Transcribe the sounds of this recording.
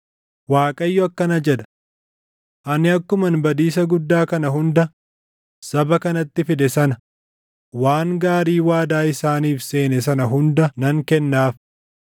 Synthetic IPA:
waːkʼɐjːɔɐkːɐnɐd͡ʒɛd̪ɐ̥ | ʔɐnɪɐkːʊmɐnbɐd̪iːs̬ɐɡʊd̪ːaːkɐnɐɦʊnd̪ɐ | sɐbɐkɐnɐt̪ːɪfɪd̪ɛsɐnɐ | waːŋɡaːɾiːwaːd̪aːɪsaːniːfse̞ːnɛs̬ɐnɐɦʊnd̪ɐnɐŋkɛnːaːf

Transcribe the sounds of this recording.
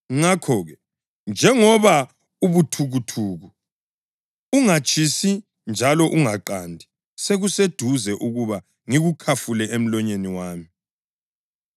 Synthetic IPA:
ŋŋakʰɔːɣɛ | nd͡ʒʱɛŋɔβa | uβutʰuɣutʰuːɣu | uŋat͡ʃʼʰisi | nd͡ʒʱalɔʔuŋaǃaːndʱi | seɣused̥ʱuzɛʔuɣuβa | ŋiɣukʰafulɛʔem̩lɔɲeniwaːmi

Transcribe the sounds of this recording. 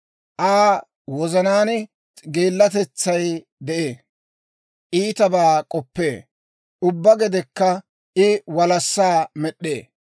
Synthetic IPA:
ʔaː | wɔzɐnaːn | ɡeːlːɐt̪ɛt͡sːɐj | d̪ɛʔeː | ʔiːt̪ɐbaːkʼɔpːeː | ʊbːɐɡɛd̪ɛkːɐ | ʔɪwɐlɐsːaːmɛɗːeː

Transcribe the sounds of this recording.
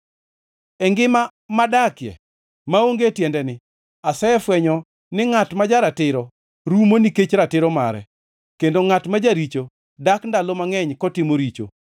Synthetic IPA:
ɛŋɡɪma | madakjɛ̰ | maoŋɡetjɛndɛnɪ | asɛɛfwɛɲɔ | nɪŋatmad͡ʒaɾatɪɾɔ | ɾumoniket͡ʃɾatɪɾɔma̰ɾɛ̰ | kendoŋatmad͡ʒaɾit͡ʃo | dakndalomaŋɛɲkɔtɪmoɾit͡ʃo̰

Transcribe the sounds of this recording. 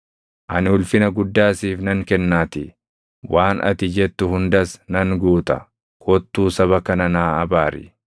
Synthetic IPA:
ʔɐnɪʊlfɪnɐɡʊd̪ːaːsiːfnɐŋkɛnːaːt̪ɪ | wʔaːnʔɐ̰t̪ɪd͡ʒɛt̪ːʊhʊnd̪ɐsnɐŋɡuːt̪ɐ̰ | kʰɔt̪ːuːsɐβɐkɐnɐnaːɐbaːɾɪ̰

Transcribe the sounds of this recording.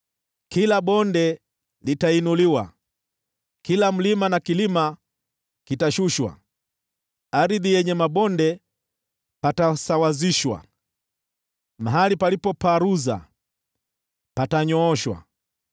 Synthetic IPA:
kilaɓɔndɛ | litainuliwa̰ | kilam̩limanakilima | kitaʃuʃwa̰ | aɾiðijɛɲɛmaɓɔndɛ | patasawaziʃwa̰ | maɦalipalipɔpaɾuza̰ | pataɲɔːʃwa̰

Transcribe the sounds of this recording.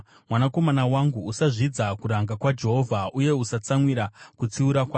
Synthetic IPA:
mwanako̞manawaŋɡuusaʐid͡zakuɾaŋɡakwad͡ʒe̞ɦo̞vʱaʔuje̞usat͡samwiɾakut͡siuɾakwaː

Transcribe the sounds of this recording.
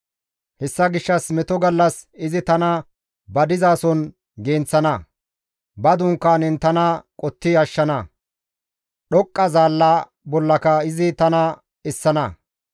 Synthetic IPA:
hɛsːɐɡɪʃːɐsmɛt̪ɔɡɐlːɐsɪzɪt̪ɐnɐ | bɐd̪ɪzaːsɔn | ɡeːnt͡sːɐnɐ | bɐd̪ʊŋkːaːnɛnt̪ɐnɐkʼɔt̪ːɪɐʃːɐnɐ | ɗɔkʼːɐzaːlːaː | bɔlːɐkɐɪzɪt̪ɐnɐ | ɛsːɐnɐ

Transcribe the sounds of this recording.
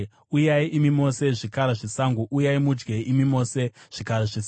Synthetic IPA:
ujaiʔimimo̞se̞ʐikaɾaʐisaŋɡuʔujaimud͡ʒɡeimimo̞seʐ̥ikaɾeʐis

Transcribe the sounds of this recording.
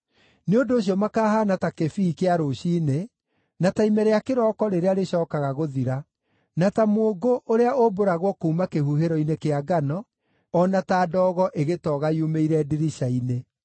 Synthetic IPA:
neondoːɕ̬iɔmakaːɦaːnatakefikeaɾoɕiːne | nataimɛɾeakeɾɔːkɔɾeɾeaɾeɕɔːkaɣaɣoðiɾa | natamoːɡoʔoɾeaʔoboɾaɣwɔkoːmakehuɦeɾɔinekeaɡanɔː | nataːdɔːɣɔʔeɣetɔɣajumeiɾɛdiɾiʃaine

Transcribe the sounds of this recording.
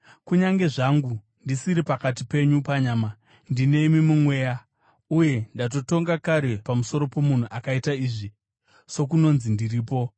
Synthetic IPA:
kuɲaŋɡe̞ʐaŋɡu | ndisiɾipakat̬ipe̞ɲupaɲaːma | ndine̞imimumwe̞ːja | uje̞ndat̬o̞to̞ŋɡakaɾe̞pamuso̞ɾo̞po̞mun̤uʔakaitaiːʐi | so̞k̬uno̞nzindiriːp̬o̞

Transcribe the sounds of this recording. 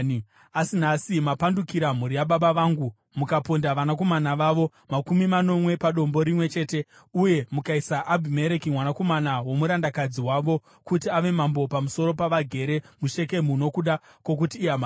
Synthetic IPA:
asinasimapandukiɾam̤uɾijaɓaɓaʋaːŋɡu | mukapondaʋanak̬o̞manaʋaːʋo̞ | makumimano̞mwe̞paɗo̞mbo̞ɾimwe̞t͡ʃe̞ːte̞ | uje̞mukaisaʔabʱime̞ɾekimwanako̞manawo̞muɾandakad͡ziwaʋo̞ | kutiaʋe̞mambo̞pamuso̞ɾo̞paʋaɡʱe̞ɾe̞muʃe̞ke̞muno̞kuɗa | kwo̞k̬utiːama

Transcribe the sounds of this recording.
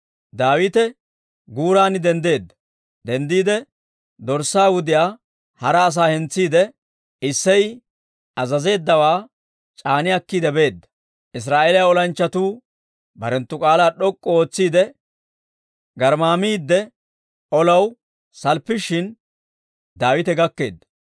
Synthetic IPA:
d̪aːwɪt̪ɛ | ɡuːɾaːnɪd̪ɛnd̪e̞ːd̪ːɐ̥ | d̪ɛnd̪iːd̪ɛ | d̪ɔɾsaːwʊd̪ɪjaː | hɐɾɐːs̬aːhɛnt͡sːiːd̪ɛ | ɪsːɛj | ɐzɐze̞ːd̪ːɐwaː | t͡ʃʼaːnɪjɐkːiːd̪ɛbe̞ːd̪ːɐ̥ | ʔɪs̬ɾaːʔeːlɪjaɔlɐnt͡ʃːɐt̪uː | bɐɾɛnt̪ːʊkʼaːlaːɗɔkʼːɔo̞ːt͡sːiːd̪ɛ | ɡɐɾmaːmiːd̪ːɛ | ɔlɐw | sɐlpːɪʃɪn | d̪aːwɪt̪ɛɡɐkːe̞ːd̪ːɐ̥

